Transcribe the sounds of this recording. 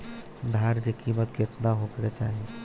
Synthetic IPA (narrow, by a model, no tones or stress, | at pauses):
d̪ʱaɾd̪ekimət̪ket̪naɦokɾɛt͡ʃaɦ